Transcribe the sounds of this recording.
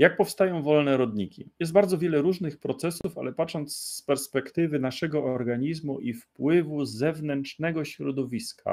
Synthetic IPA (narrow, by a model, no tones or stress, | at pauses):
jak̚pɔfst̪ajɔ̃w̃vɔlnɛɾɔd̪ɲikʲḭjɛst̪baɾd̪zɔvʲjɛlɛɾuʐnɘxpɾɔt̪sɛsufa̰lɛpatʂɔnt̪sspɛɾspɛkt̪ɘvɘnaʂɛɡɔɔɾɡaɲizmuʔifpwɘvuzɛvnɛnt͡ʂnɛɡɔɕɾɔd̪ɔvʲiskʰa̰